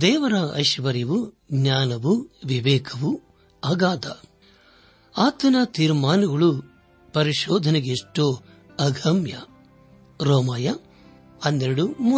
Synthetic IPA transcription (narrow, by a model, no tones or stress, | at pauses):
d̪ɛːʋɐɾɐɐ̰ʃʋɐɾjɐʋu | ɡnaːnɐʋuʋiʋɛːkʰɐʋu | ɐːɡaːd̪ɐ | aːt̪ɐnɐt̪iːɾmaːnɐɡɐɭu | pɐɾiʃɔːd̪ʱɐneɡeʂʈoː | ɐɡʱɐmjɐ̰ | ɾɔːmaːjɐ | ɐnd̪eɾɐɽumu